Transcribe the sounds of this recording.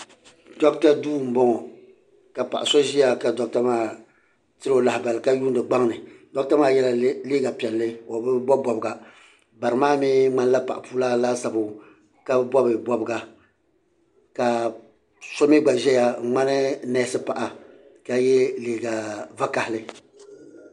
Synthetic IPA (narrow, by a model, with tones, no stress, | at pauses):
dɔ˦kta˦duː˦˨m̩˦bɔ˦ŋɔ˨ | ka˨pa̰˨ʔa˨sɔ˦ʒi˦ja˨ka˨dɔ˨k̚ta˦maː˦˨ | tɨ˦o˦˨la˨ɪ˨ba˨lɨ˨ka˦ju˦ndɨ˨ɡ͡ba˦ŋnɨ˨dɔ˦k̚ta˦maː˦˨jɛ˦la˨˦leː˦ɡa˨pi˨ɛ˨lːɨ˦o˨bɨ˦bɔ˦bɔ˨bɨ˨ɡa˨ | ba˨ɾɨ˨maː˦miː˦ŋ͡ma˦n˦la˦pa˨ʔa˨puː˦laː˦laː˦sa˨bʊ˨ | ka˦bɨ˦bɔ˦bɨ˨bɔ˦bɨ˦ɡa˨ | ka˨ | so˦mi˦ɡ͡ba˨ʒɛ˦ja˨ŋ͡ma˦nɨ˦nɛ˦sɨ˦pa˨ʔa˨ | ka˨jɛ˦leː˨ɡa˨va˦ka˨hɪ˨lɨ˦